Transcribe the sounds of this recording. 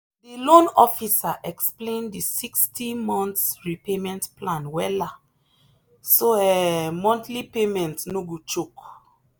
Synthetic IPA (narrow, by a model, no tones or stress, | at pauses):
dilõnɔfisaʔɛksplẽndisikstimɔ̃ntsɹipemɛ̃ntplãnwɛla | soɛmɔ̃ntlipemɛ̃ntnoɡut͡ʃuk